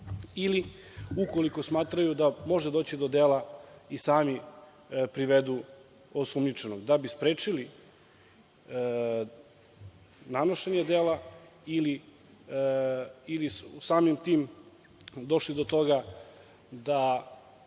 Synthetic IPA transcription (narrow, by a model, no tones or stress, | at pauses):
iliuko̞liko̞smaːt̪ɾajud̪amo̞ʒed̪o̞ːt͡ɕid̪o̞d̪eːlaisaːmi | pɾiʋed̪u | osumɲit͡ʃenoɡd̪abispɾeːt͡ʂili | nanoʃeɲed̪eːla | ili | ilissaːmimt̪iːm | d̪o̞ʃlid̪o̞t̪o̞ɡa | d̪a